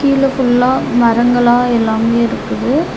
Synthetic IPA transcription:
kiːlɐfʊɭːaːmɐɾɐŋɡɐɭaːɛlːaːmeːɪɾɯkːɯðɯ

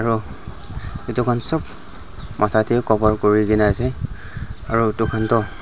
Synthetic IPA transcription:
aɹu | etukʰansɔb | mʔatʰatɛkɔbɔɹkoɹiɡinasɛ | aɹutukʰantɔ

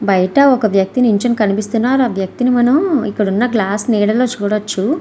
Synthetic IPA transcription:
bɐjɐʈɐɔkɐʋjɐk̚t̪iniɲt͡ʃɐmkɐnipist̪unːaːɾuaːʋjɐk̚t̪inimɐnɐmḭkːuɽunːɐɡlaːsnɛːɽɐloːt͡ʃuːɽot͡ʃːu

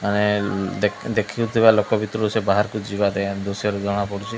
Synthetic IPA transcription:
ane | d̪ekʰiut̪ʰibalokɔbit̪ɾɔɾusebaɦaɾkud͡ʒibaɾed̪osijɔɾed͡ʒ̪ɔɽ̃apɔɽut͡ʃʰi

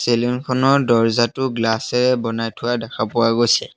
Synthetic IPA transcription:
selinkʰɔnɔɹdɔɹzatʊɡlasɛɹɛbɔnajtʰʊwadakʰapʊwaɡojsɛ

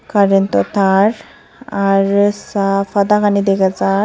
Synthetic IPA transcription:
kaɾint̪ɔt̪aɾ | aɾsafad̪akanid̪ekad͡za

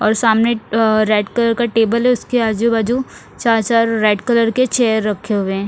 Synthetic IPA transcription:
ɔːɾsaːmneɾeːʈkɐləɾkaʈeːbəlɦɛʊskeaːd͡ʒubaːd͡ʒu | t͡ʃaːɾt͡ʃaːɾːeːʈkɐləɾket͡ʃɛːjəɾːɐkʰːeɦʊweɦɛ̃ː

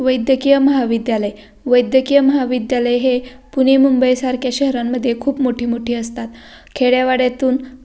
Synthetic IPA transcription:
ʋəjd̪ʱjəkijəməɦaʋid̪jaləj | ʋəjd̪ʱjəkijəməɦaʋid̪jaləjɦe | punemumbəjsaɾkjaɕəɦɾamːəd̪ʱːjekʰuːpmoʈʰiːmoʈʰiːəst̪at̪ | kʰeɽjaʋaɽjat̪uːn

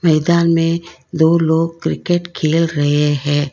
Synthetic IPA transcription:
mɛːd̪aːnmẽd̪oːloːɡ̚kɾɪkeʈkʰeːlɾɐɦeɦɛ̃ː

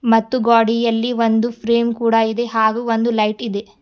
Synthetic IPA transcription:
mɐt̪ːuɡaːɽijɐlːiʋond̪upʰɾeːmkuːɽɐid̪e̞ɦaːɡuːond̪ulɐjʈid̪e

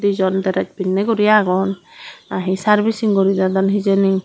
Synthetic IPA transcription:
d̪id͡ʒɔnd̪ɛɾɛc̚binːɛɡɔɾijaɡɔnaɦisaɾbisiŋɡɔɾid̪ad̪ɔnɦid͡ʒɛni

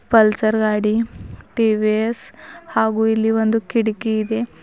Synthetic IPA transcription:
pəlsəɾɡaːɽiʈiʋieshaɡuilːiʋənd̪ukiɽkiːd̪e

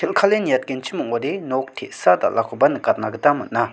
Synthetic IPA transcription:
t̪ʰelkʰalenjat̪̚kent͡ɕʰimoŋoɾenok̚t̪ʰesat̪a̰lʔakopanəkarnakət̪amːəna

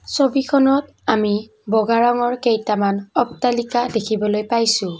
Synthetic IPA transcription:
sobikʰɔnɔt | ami | bɔɡaɹaŋɔɹkejtamanɔptalikadekʰibɔlojpajsʊ̃

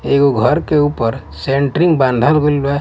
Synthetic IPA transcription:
eːɡoɡʱəɾkeuːpəɾ | sẽːɳʈɾɪ̃ŋɡbãːnd̪ʱalɡʊlbɛ

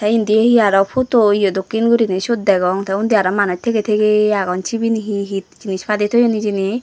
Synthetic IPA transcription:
t̪aind̪ieɦiaɾɔpʰot̪oijɔd̪okːinɡuɾiniʃud̪̚d̪ɛɡɔŋt̪ʰaund̪iaɾɔmanɔt͡ʃ̚t̪ʰeɡet̪ʰekeaɡɔnt͡ʃʰibiniɦiɦit̪̚d͡ʒinispʰad̪it̪ʰojɔnid͡ʒini

